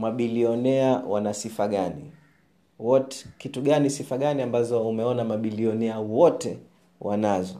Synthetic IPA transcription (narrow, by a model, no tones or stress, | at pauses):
maɓiliɔnɛawanasifaɠanḭ | wɔtɛkituɠanisifaɠaniambazɔumɛɔnamaɓiliɔnɛawɔtɛ | wanazɔ